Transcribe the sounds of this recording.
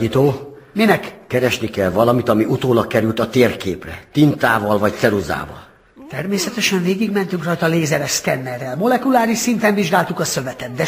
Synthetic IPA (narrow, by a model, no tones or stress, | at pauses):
it̪oːminɛkkɛɾɛʃnikɛlvɒlɒmit̪ɒmiut̪oːlɒkːɛɾylt̪ɒt̪eːrkeːprɛ̰t̪int̪aːvɒlvɒc̚t̪sɛɾuza̰ːvɒ̰l | t̪ɛrmeːsɛt̪ɛʃɛɱveːɡiɡmɛnt̪yŋkrɒjt̪ɒleːzɛɾɛʃsk̪ɛnːɛrːɛlmo̞lɛkulaːɾiʃsint̪ɛɱviʒɡaːlt̪ukɒsø̞vɛt̪ɛt̪̚d̪ɛ